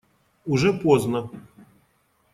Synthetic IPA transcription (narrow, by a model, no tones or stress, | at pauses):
uʐɛpɔznɐ